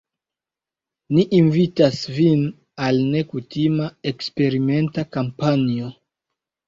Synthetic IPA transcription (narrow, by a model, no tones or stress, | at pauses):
niʔːnvitasvin | alne̞kutimaekspe̞ɾime̞ntakampanio